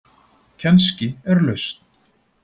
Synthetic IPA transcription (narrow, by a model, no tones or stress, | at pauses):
cʰɛnscɪɛɾlœɥst̪n̥